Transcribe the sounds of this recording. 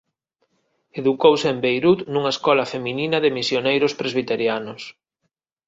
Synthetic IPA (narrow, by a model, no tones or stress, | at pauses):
eðukowseembejɾut̪nuŋɐeskɔlɐfemininɐðɪmisjonejɾʊspɾezβ̞it̪eɾjanʊs